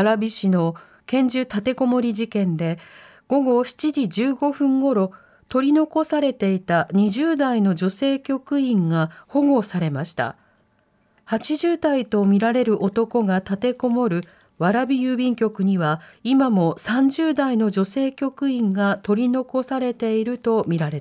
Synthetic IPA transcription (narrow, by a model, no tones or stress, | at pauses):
ɾabʲiɕino̞ | kẽ̞ɲ̟d͡ʑɨt̪at̪e̞ko̞mo̞ɾʲiʑikẽ̞nd̪e̞ | ɡ̥o̞ɡo̞ɕi̥t͡ɕid͡ʑid͡ʑɨːɡo̞ɸɯ̟̃ŋɡo̞ɾo̞ | t̪o̞ɾʲino̞ko̞saɾe̞t̪e̞it̪aɲ̟iʑɨːd̪aino̞d͡ʑo̞se̞ːkʲo̞kɯ̟ĩŋɡaho̞ɡo̞saɾe̞maɕi̥t̪a̰ | hat͡ɕiʑɨːd̪ait̪o̞mʲiɾaɾe̞ɾɯ̟ʔo̞t̪o̞ko̞ɡat̪at̪e̞ko̞mo̞ɾɯ̟ | βaɾabʲijɯːbʲĩŋkʲo̞kɯ̟ɲ̟iβaimamo̞sãɲ̟d͡ʑɨːd̪aino̞d͡ʑo̞se̞ːkʲo̞kɯ̟ĩŋɡat̪o̞ɾʲino̞ko̞saɾe̞t̪e̞iɾɯ̟t̪o̞mʲiɾaɾe̞t̪